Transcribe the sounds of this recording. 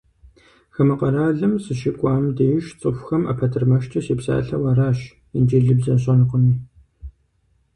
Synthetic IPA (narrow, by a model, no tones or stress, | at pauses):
xɐmɨqɐɾaːɮɨmsɨʃɪkʷʼɑːmdeːjʃt͡sʼɨfʷxɐma̰pʰɐtʰɨrmɐʃtʰɐɕiːpsa̰ːɬɐwɐɾaːɕ | ɪnd͡ʒeːɮɨbzɐnɕʼɐnɨqʷʊniː